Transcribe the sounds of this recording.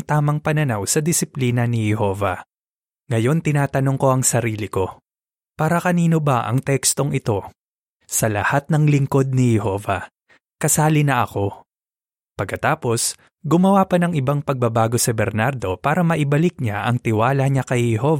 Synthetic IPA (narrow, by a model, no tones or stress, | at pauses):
ŋt̪aːmɐŋpɐnɐnawsɐd̪ɪsɪpliːnɐnɪhɛho̞ːvɐ̰ | ŋɐjo̞nt̪ɪnaːt̪ɐno̞ŋko̞ʔɐŋsɐɾiːlɪko̞ | paːɾɐkɐniːno̞bɐʔɐ̰ŋt̪ɛkst̪o̞ŋɪt̪o̞ | sɐlɐ̰hat̪̚nɐŋlɪŋko̞d̪̚nɪhɛho̞ːvɐ̰ | kɐsaːlɪnɐʔɐko̞ | pɐɡ̚kːɐt̪aːpo̞s | ɡʊmɐwapɐnɐŋʔɪbaŋpɐɡ̚bɐbaːɡo̞sɪbɛɾnaɾd̪o̞paːɾɐmɐʔɪbɐlɪk̚ɲaʔɐ̰ŋt̪ɪwaːlɐɲakɐjhɛhov